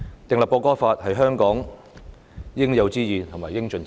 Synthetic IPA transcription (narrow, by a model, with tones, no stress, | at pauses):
t̪ɪ˨ŋlɐ˨p̚kɔː˧kɔː˥faː˧t̚hɐ˨jɦœː˥ŋkɔː˨˥ŋ | jɪ˥ŋjɐ˨˧wt͡siː˥jiː˨nt̪ʰmaː˨˩jɪ˥ŋt͡ʃɵ˧n